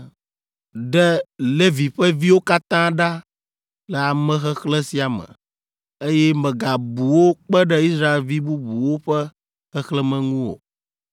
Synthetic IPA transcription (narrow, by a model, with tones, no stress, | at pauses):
ɖɛ˦le˦vi˨ɸɛ˦vi˦wo˦ka˦t̪ã˦ɖa˦ | lɛ˨a˨mɛ̃˦xɛ˦xlɛ˦si˦a˨mə̰̃˨ | e˦jɛ˦mɛ̃˨ɡa˨bu˨wo˦k͡pɛ˦ɖɛ˦i˦sɾa˦e˨lvi˦bu˦bu˨wo˦ɸɛ˦ | xɛ˦xlɛ˦mɛ̃˨ŋũ˦wo̰˨